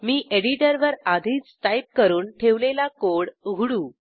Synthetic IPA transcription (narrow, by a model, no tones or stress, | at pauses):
miːʔeɽiʈəɾʋəɾad̪ʱiːt͡st̪ajp̚kəɾuːnʈʰeʋlelakoɽɡʱuɽuː